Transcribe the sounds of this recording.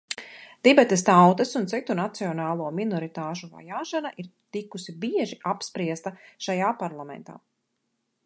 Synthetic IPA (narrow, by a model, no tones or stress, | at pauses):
d̪̥ibɛt̪est̪awt̪ɐsunt̪sit̪unat̪siɔnaːlˠuɔminɔɾit̪aːʃuva̰jaːʃanaʔiɾt̪ikusibiɛʒiapspɾiɛst̪ɐʃajaːpaɾlˠamɛ̰̃nt̪a̰ː